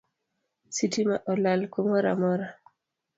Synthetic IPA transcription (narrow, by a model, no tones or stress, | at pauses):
sitimaʔɔlalkomɔɾa̰mɔɾa